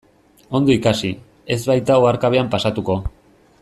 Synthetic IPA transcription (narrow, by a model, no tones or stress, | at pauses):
o̞nd̪o̞ikasi | e̞zβajt̪ao̞aɾkaβe̞ampasat̪uko̞